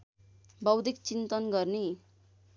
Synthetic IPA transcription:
bʌwd̪ʱikt͡sint̪ʌnɡʌrne

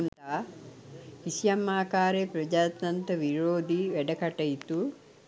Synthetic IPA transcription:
nt̪a | hisjɐmːaːkaːɾepɾɐd͡ʒaːt̪ɐnt̪ɐʋiɾoːd̪iʋɛɖɐkɐʈɐjt̪u

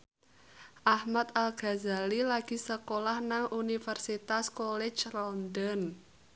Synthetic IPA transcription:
ʔahmat̪alɡ̥a̤za̤lilaɡ̥i̤səkolahnaŋunifərsit̪askolɛ̥d͡ʒlɔnd̪ɔn

